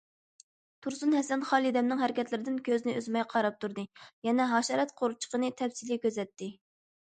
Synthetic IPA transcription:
t̪ʰuɾsunɦɛsɛnχɑːlˠid̪ɛmnɨŋɦæɾɪkʲɛt̪lɪɾɪd̪ɪnkʲøzɪnɪøzmɛjqʰɑɾɑp̚t̪ʰuɾd̪ɨjɛnɛɦɑːʃɑɾɛt̪qʰoɾut͡ʃʰə̥qənɨt̪ʰɛpsilikʲøzɛt̪ːɪ

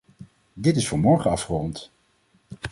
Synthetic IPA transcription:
dɪtɪsfʊːɹmɔɹχəɑfχərɔnt

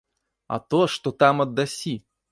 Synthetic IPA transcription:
ɐ̰t̪oʂt̪ot̪amɐd̪ːɐsʲi

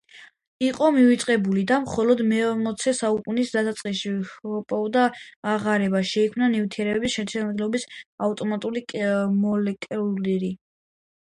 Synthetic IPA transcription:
iqʼɔmivit̪sʼqʼɛbulid̪amχɔlɔd̪mɛɔmɔt̪sʰɛsaukʼunisd̪asat̪sʼqʼiʃiɔpʼɔvd̪aːʁaɾɛbaʃɛikʰmnanivt̪ʰiɛɾɛbɛbisʃɛɾtt͡ʃ̪ʰɛnɔd̪lɔbisaft̪ʼɔmat̪ʼulikʼmɔlɛkʼliɾi

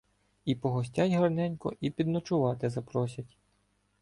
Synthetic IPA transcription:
ipɔɦɔs̬ʲtʲɑjʲɦɐrnɛnʲkɔʔipʲid̪nɔt͡ʃʊʋɑt̪ɪzɐpɾɔsʲɐtʲ

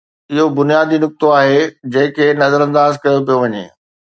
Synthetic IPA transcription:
ɪɦobʊnijaːd̪inʊk̚t̪oaːɦed͡ʑɐ̃ɦɪ̃kʰeːnɐzəɾə̃nd̪aːzkɐjopijoʋɐɲḛː

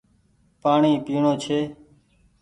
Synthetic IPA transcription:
paːɳiːpiːɳõːt͡ʃʰeː

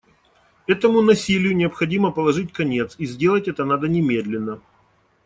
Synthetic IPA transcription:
ɛt̪əmʊnɐsʲilʲɪjʊnʲɪəpxɐdʲiməpəlˠɐʐɨt̚ʲkɐnʲe̞t̪sizʲdʲelˠətʲɛt̪ənad̪ənʲɪmʲe̞d̪lʲɪnːə

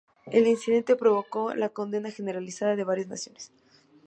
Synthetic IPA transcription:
e̞linsiðe̞nt̪e̞pɾo̞β̞o̞ko̞lako̞nd̪e̞naxe̞ne̞ɾalisaðaðe̞βaɾjazna̰sjo̞ne̥s

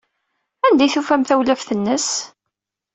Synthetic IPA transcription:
ænd̪æjθufæmθæwlæfθənːəs

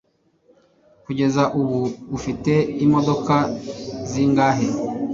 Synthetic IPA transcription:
kuɟezaʔuβuːfiteimodokaziŋɡaɦe

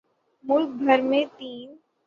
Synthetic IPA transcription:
mʊlk̚bʱɐɾmẽt̪iːn

